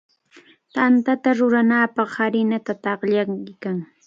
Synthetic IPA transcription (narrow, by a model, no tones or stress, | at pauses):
t̪ant̪at̪aɾʊɾanaːpɑχhaɾɪnat̪at̪ɑχʎaŋkɪkaŋ